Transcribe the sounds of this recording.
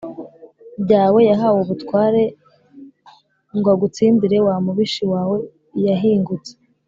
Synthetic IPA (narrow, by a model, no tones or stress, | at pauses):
bɟaːwe̞jaɦawoβutwaːɾe̞ | ŋɡwaɡut͡siːndiɾe̞wamuβiʃiwaːwe̞ | jaɦiːŋɡut͡se̥